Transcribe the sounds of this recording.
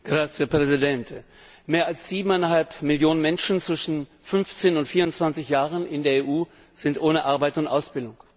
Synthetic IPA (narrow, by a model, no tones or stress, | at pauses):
ɡ̥ʁat͡sɛpʁ̥ɛzidɛnt | meːɐalsz̥iːbm̩aɪnɦalpmɪljoːnənmɛnʃn̩t͡sv̥ɪʃn̩ | fʏnft͡seːnʊntfiːɐʊntt͡sv̥ant͡sɪçjaːʁənɪndeːɐeːʔuː | z̥ɪntʔoːnəʔaɐbaɪtʊntʔaʊsb̥ɪldʊŋ